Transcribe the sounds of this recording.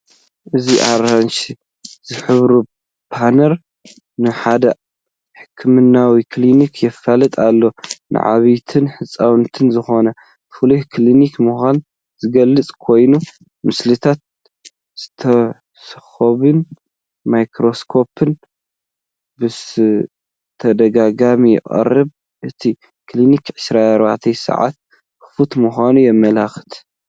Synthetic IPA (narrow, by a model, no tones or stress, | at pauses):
ʔɨziʔaɾanʃ | z̥ɨħɨβɾu | b̥ʰanɐɾ | nɨħad̪ɐ | ħɨ̥kʰːɨmɨnːawikʰlinikʰjɛfːalɨt̪ʼalːo̞nʔɨ̰ʕa̰βijt̪ʰɨnħɨt͡sʼːawnt̪ʰɨnzɨxo̞nɐ | fɨluhkʰlinikmuxʷan | z̥ɨɡɐlːɨt͡sʼkʰo̞jnu | mɨslɨt̪ʰat̪̚ | z̥ɨt̪ʰɐ | sɨxɐβɨn | majkɾo̞skʰo̞pʰɨn | bɨ | t̪ʰɐd̪ɐɡaɡamijɪ̰ʔʼɐ̰rːɨβ | ʔɨt̪ʰi | klinikʕɨʃɾaaɾba̰ʕt̪ʰɐjsɨ̰ʕa̰t̪̚ | bɨ̥fut̪muxʷanujɛmːɐlaxɨ̥t̪ʰ